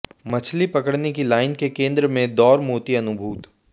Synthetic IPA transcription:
mɐt͡ʃʰlipɐkəɽnekilaːɪnkekẽːnd̪ɾəmẽd̪ɔːɾmoːt̪iɐnʊbʱuːt̪

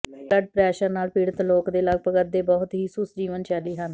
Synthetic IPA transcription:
ləɖ̚pɾɛːʃəɾnaːlpiːɽət̪loːkd̪eːləɡ̚pəɡət̪̚d̪eːbɔːt̪ɦiːsʊsd͡ʒiːʋənt͡ʃɛːliːɦən

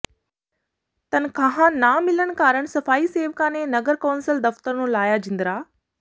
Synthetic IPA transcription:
t̪ɐn̆kʰãːɦãnaːmɪləɽ̃̆kaːɾəɽ̃sɐfaːiseːʋkãːnenɐɡəɾkaːnsəld̪ɐft̪əɾnũlaːjad͡ʑɪ̃nd̪ɾaː

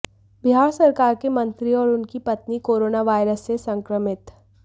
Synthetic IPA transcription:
bɪɦaːɾsɐɾkaːɾkemɐ̃nt̪ɾiɔːɾʊnkipɐt̪nikoːɾoːnaʋaːɪɾəsːesɐ̃ŋkɾəmɪt̪

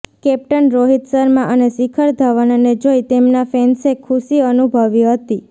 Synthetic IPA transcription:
kɛp̚ʈənɾoɦit̪səɾmãʔənesikʰəɾd̪ʱaʋənaned͡ʒojt̪emnafensekʰuʃiənubʱəʋiɦət̪i

